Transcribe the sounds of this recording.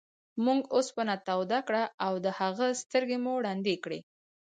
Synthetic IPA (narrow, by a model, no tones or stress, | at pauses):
muŋɡospənat̪awd̪akɽaʔawd̪əhaɣəst̪əɾɡemuɽɑnd̪ekɽḛ